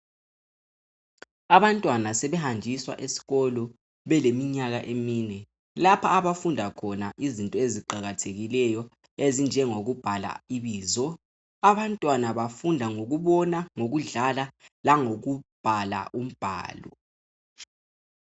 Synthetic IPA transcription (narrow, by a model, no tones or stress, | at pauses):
aβantʼwanasɛβɛhand͡ʒʱiswa̰ʔesi̥ɣɔlɔ | βɛlemiɲaɣaʔemiːnɛ | lapʰaːβafundʱakʰɔnaʔizintʼɔeziǃaɣatʰeɣilɛjɔ | ezind͡ʒʱɛŋoɣub̥ʱala̰iβiːzɔ | aβantʼwanaβafundʱaŋoɣ̬uβɔnaŋoɣuɮalalaŋoɣub̥ʱala̰ʔum̩b̥ʱa̰ːlɔ